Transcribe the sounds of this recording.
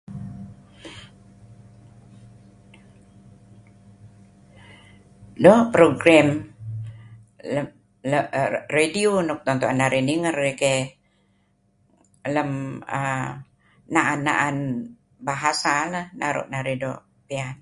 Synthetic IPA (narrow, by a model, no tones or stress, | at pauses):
dɔʔpɾoɡrɛm | ə | ləredionɔk̚t̪ɔnt̪oʔanːaɾiniŋərːeke | ləmə | naʔanːa̰ʔan | baɦasaləhnaɾo̰ʔnaɾedo̰ | pean